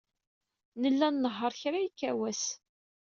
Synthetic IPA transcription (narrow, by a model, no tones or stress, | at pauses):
nəlːænːəɦːəɾˤçɾajikːæwæs